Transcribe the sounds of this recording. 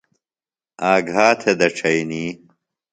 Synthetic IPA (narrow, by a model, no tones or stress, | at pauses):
aːɡaːt̪ʰed̪ɐʈ͡ʂʰɐjniː